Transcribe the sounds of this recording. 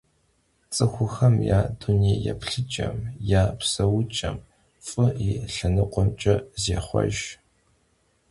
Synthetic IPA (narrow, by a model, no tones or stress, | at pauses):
t͡sʼɨxʷʊxɐmjaːduniːjɛ̰pɬɨt͡ʃʼɐmjaːpsɐwʊt͡ʃʼɐm | fʼɨiːɬɨnɨqʷɔmt͡ʃʼɐzeːχʷɔ̰ʒ